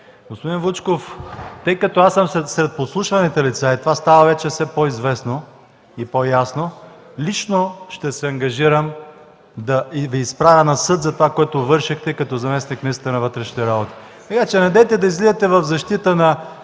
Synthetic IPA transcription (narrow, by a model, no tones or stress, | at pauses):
ɡospod̪invut͡ʃkoft̪əjkɐt̪ɔasəmsɛsɾɛt̪̚poslˠuʃvɐnit̪ɛlit̪sait̪ovast̪avəvɛt͡ʃɛfsɛpoizvɛsno | ipojasno | lit͡ʃnoʃt̪ɛsɛɐŋɡɐʒiɾəm | d̪ɐiviːspɾavʲɐnɐsɤt̪zɐt̪ovakoɛt̪ovɤɾʃixt̪ɛkɐt̪ɔzɐmɛsnikmʲɛisət̪ənɐvɤt̪ɾɛʃnit̪ɛɾabot̪i̥ | t̪ɐkat͡ʃɛnɐd̪ɛjt̪ɛd̪ɐizlizət̪ɛvɐvzɐʃt̪it̪ənɐ